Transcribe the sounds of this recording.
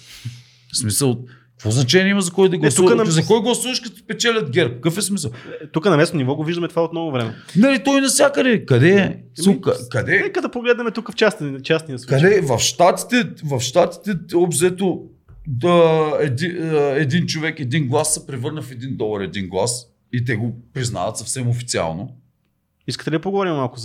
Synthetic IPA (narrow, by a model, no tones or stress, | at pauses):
smisəlˠ | kvɔznɐt͡ʃɛnʲiɛimɐzɐkɔjd̪ɐɡlɛsuəzɐkɔjɡlˠɐsuvɐʃkɐt̪o̥pɛt͡ʃɛlʲɐd̪̚ɡʲɛɾkkəfɛsmisəlˠt̪ukənɐmɛst̪onʲivɔɡoviʒd̪ɐmɛt̪ovaot̪nɔɡovɾɛmɛnɐlit̪ɔjnɐsʲjakəd̪ɛkɐd̪ɛ | ukɐkɐd̪ɛnɛkəd̪ɐpoɡlɛd̪nɐmɛt̪ukəft͡ʃast͡ʃasnijəslˠuɐd̪ɛvɐfʃt̪at̪i̥t̪ɛvɐfʃt̪at̪i̥t̪ɛɔbzɛt̪o | əɛd̪ɛd̪int͡ʃovɛkɛd̪inɡlˠasːɐpɾɛvɤɾnəfɛd̪ind̪ɔlˠəɾɛd̪inɡlˠa̰s | it̪̬ɛɡopɾizna̰vɐt̪sɐfsɛmofit̪sia̰lˠno | iskət̪ɛlʲid̪ɐpoɡovɔɾimmalˠkʊz